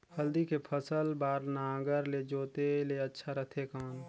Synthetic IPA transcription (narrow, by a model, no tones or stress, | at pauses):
həld̪ikepʰəsəlbaːɾnãːɡəɾled͡ʒoːt̪eleətːʃʰaɾət̪ʰekaːn